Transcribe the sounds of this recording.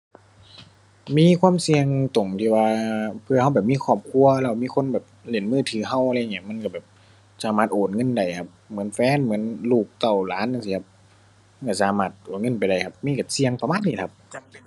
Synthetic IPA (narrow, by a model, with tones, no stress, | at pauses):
miː˧˥˨kʰwaː˧˥˨msi˧əŋt̪o˨˩ŋt̪ʰiː˧˩waː˧pʰɯ˧˨ha˧˩wbɛː˨˩p̚miː˧˥˨kʰɔː˧˩p̚kʰu˧ɐlɛː˧˩˧miː˧˥˨kʰo˧˥˨nbɛː˨˩p̚le˧˩˨nmɯː˧˩˨t̪ʰɯː˨˧˦ɦa˧˥˨wʔa˧a˧˨ŋi˧˩˨ma˧˥˨nka˧˩bɛː˨˩p̚ | saː˧˦maː˧˩t̪ʔoː˨˩t̪̚ŋɤ˧˥˨nda˨˩jkʰa˧p̚mɯ˨˦ə˦nfɛː˧˥˨nmɯ˩˦ə˨nluː˧˨˩k̚t̪a˧˩wlaː˨˦nʔsiː˧kʰa˧p̚ | ka˧˩saː˧˦maː˧˩t̪̚ʔoː˨˩ŋɤ˧˨npa˨˩jda˨˩jkʰa˧p̚miː˧˥˨ka˧˩si˧əŋpa˧maː˧˥t̪̚niː˧˩kʰa˧p̚